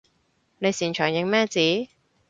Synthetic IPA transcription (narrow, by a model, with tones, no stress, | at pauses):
ne˨˧jsiː˨˩nt͡ʃʰœː˨˩ŋjɪ˨˧ŋmɛː˥t͡siː˨˥